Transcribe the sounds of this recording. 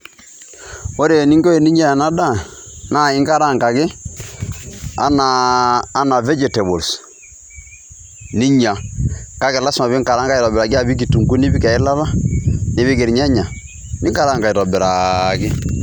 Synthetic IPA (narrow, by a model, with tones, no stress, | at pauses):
o˦ɾe˨ni˦ŋɡo˦e˨ni˦ɲa˦a˨na˦da˦˨na˦˨ɪ˦ŋka˦ɾa˦ŋɡa˨ɡɪ˦ | a̰˦naː˨˦na˨vɛ˦d͡ʒɛ˨tɛ˨bo˨ls | ni˦ɲa˨ka˦ɡɪ˨la˦sma˨βɪ˦ŋka˨ɾa˦ŋɡa˦i˨ɾɔ˨bɪɾa˨ɡɪ˦a˦˨bi˦k̬i˨tu˨ŋɡu˦ni˦bi˦ka˨ɪ˦la˦la˦nɪ˨˦βɪ˦ɡɪ˨ɾɲa˦ɲa˨ | nɪ˦ŋɡa˦ɾa˦ŋɡa˨i˨ɾɔ˨bɪ˨ɾa˨ɡɪ˦